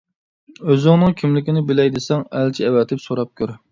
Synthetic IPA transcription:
øzɪŋnɨŋkʲʰimlɪkʲinɪbɪlɛjd̪ɪsɛŋælt͡ʃʰiɛwɛt̪ʰɪpsoɾɑp̚kʲʰøɾ

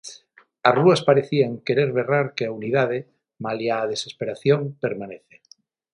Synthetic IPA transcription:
aruaspaɾeθiaŋkeɾeɾβeraɾkeauniðaðe | maljaːð̞esespeɾaθjompeɾmaneθe̥

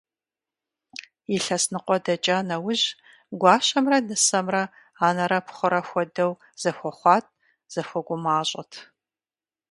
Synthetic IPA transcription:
jiɬɐsnɨqʷʼɔdɐt͡ʃʼaːnɐwʊʑ | ɡʷɑːɕɐmrɐnɨsɐmrɐ | aːnɐɾɐpʰχʷʊɾɐxʷɔdɐw | z̥ɐxʷɔχʷɑːtʼ | z̥ɐxʷɔɡʷʊmaːɕʼɐtʰ

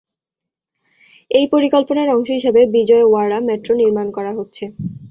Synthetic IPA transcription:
ejpoɾikolponaɾɔŋʃoɦiʃebebid͡ʑɔewaɽamɛʈɾoniɾmankɔɾaɦotːɕʰe

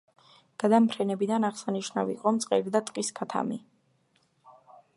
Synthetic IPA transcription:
ɡ̥ad̪ampʰɾɛnɛbid̪anaʁsaniʃna̰vḭqʼɔmt̪sʼqʼɛɾid̪at̪ʼqʼiskʰat̪ʰa̰mi

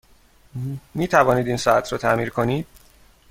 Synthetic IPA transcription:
miːt̪ʰævɒːniːd̪iːnsɒæt̪ʰɾɒːt̪ʰæmiːɾkʰo̞niːd̪̥̚

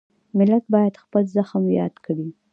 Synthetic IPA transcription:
mɪlat̪̚bɑjad̪xpəlzaxmjɑ̰d̪kɽi

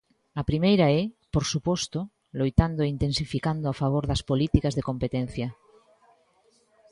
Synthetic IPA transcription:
ɐpɾimejɾaɛpoɾsupɔst̪o | lojt̪and̪oeint̪ẽnsifikand̪oafaβ̞oɾðɐspolit̪ikazðekompet̪en̟θjɐ

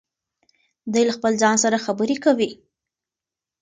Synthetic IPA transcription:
d̪ujlaxpəlzɑnsaɾaxabəɾekawi

